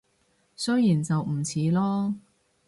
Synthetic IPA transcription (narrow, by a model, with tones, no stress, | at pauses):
sɵ˥jiː˨˩nt͡sɐ˨wm̩˨˩t͡sʰiː˨˧lɔː˥